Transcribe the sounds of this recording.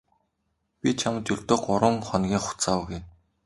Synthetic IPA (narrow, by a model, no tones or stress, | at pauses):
pʲit͡ɕʰamt̪jɵɮt̪ŏːɢʊɾwə̆ŋχɔnɡʲiːŋχʊ̥t͡saːwɡuj